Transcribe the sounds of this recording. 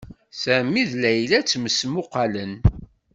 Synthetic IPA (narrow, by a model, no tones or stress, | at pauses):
θæmːiðlæjlæt͡sːməsmʊqɑlən